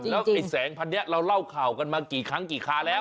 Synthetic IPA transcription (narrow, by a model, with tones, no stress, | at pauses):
t͡ɕlɛː˦˥wa˨˩ŋjsɛː˩˦ŋpʰa˧nːi˦˥ɐɾa˧wla˥˩wkʰaː˨˩wka˧nmaː˧kiː˨˩kʰa˦˥ŋkiː˨˩kʰaː˦˥lɛː˦˥w